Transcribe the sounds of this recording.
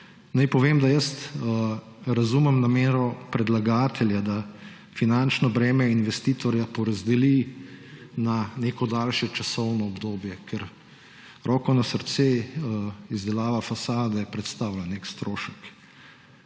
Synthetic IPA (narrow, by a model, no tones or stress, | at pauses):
najpɔʋeːmd̪ajəst̪ | ɾazumɛmnameːɾɔpɾɛd̪laɡaːt̪ʰɛljad̪a | finant͡ʃnɔbɾɛːmɛinʋɛst̪iːt̪ɔɾjapɔɾazd̪ɛli | naneːkɔd̪aːlʃjɛt͡ʃasɔwnɔːbd̪oːbjɛkʰɛɾ | ɾɔːkɔnasəɾt̪se | izd̪ɛlaːʋafasaːd̪ɛpɾɛt̪st̪aːwlaneːkst̪ɾoːʃək